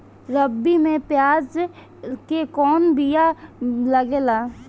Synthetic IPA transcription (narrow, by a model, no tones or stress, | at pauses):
ɾəbːimẽpjaːd͡ʒ | kekɔːnbijaləɡeːlaː